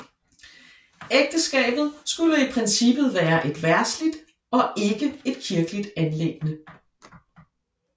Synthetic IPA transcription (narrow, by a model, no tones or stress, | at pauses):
eɡ̥̚d̥əsɡ̥ɛ̰ːb̥ð̞̩ˠsɡ̥uləipʰʁɛnsib̥ð̩ˠʋæːɐʔe̝d̥ʋæɐslid̥ | ɒ̽ʔe̝ɡ̥əe̝d̥kʰiɐɡ̥əlid̥ænle̝ɡ̥ənə